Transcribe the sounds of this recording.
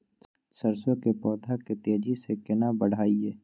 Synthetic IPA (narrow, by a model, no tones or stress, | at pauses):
səɾswəkepɔːd̪ʱaket̪eːd͡ʒisekɪnabəɽ̤aːiɛː